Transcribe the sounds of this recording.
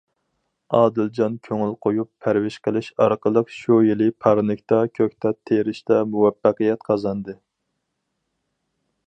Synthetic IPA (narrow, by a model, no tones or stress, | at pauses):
ɑːd̪ɪld͡ʒɑnkʲʰøŋylqʰojupʰːæɾwɪʃqəlˠɨʃɑɾqəlˠəqʃujilɪpʰɑɾnɨkʲt̪ɑkʲʰøkʲt̪ɛt̪ʰeɾɪʃt̪ɛmuwɛpːæqəjɛt̪qʰɑzɑnd̪ɨ